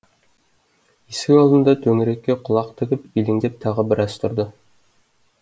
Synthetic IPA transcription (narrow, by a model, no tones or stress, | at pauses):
isɪkɑlˠd̪ənd̪ɑt̪ʰɵŋɾekʲːeqʰʊlˠɑqt̪ʰɪkʲɪpilɪŋd̪ep̚t̪ʰɑʁəbɪɾæz̥t̪ʰʊɾd̪ə